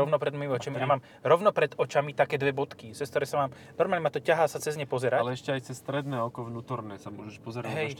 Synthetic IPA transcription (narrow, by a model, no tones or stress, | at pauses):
ɔʋnɔpɾɛd̪mɔjimiɔt͡ʃamijamaːm | ɾɔʋnɔpɾɛd̪ɔt͡ʃamit̪akɛːd̪ʋɛbɔt̪kit͡sɛskt̪ɔɾɛːsamaːm | nɔɾmaːlɲɛmat̪ɔcaɦaːsat͡sɛzɲɛpɔzɛɾalɛɛʃcɛajt͡sɛsst̪ɾɛd̪nɛːɔkɔvnuːt̪ɔɾnɛːsamʊɔʒɛʃpɔzɛɾaɦɛ